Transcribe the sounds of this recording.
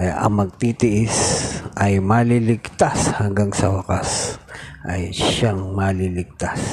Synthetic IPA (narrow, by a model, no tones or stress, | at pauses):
ɐjaʔɐ̰ŋmɐɡ̚t̪iːt̪ɪʔɪsʔɐjmaːlilɪɡt̪ashɐŋɡaŋsɐwɐkasʔɐjʃaŋmalilɪɡ̚t̪as